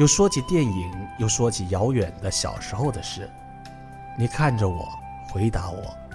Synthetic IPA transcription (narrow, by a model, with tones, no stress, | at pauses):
jo˥˩ʊʂwɔ˥t͡ɕʰi˧˥t̪jɛ˥˩ni˨˩˥ŋjo˥˩ʊʂwɔ˥t͡ɕʰi˧˩jɑ˧˥ʊjɥɛ˨˩nd̪ə˦ɕjɑ̰˨˩ʊʂɻ̩˧˥xo˧ʊd̪ə˩ʂɻ̩˥˩ | ni˨˩kʰa˥˩nʈ͡ʂə˩wɔ̰˨˩˦ | xwe˧˥ɪt̪a˧˥wɔ̰˨˩˦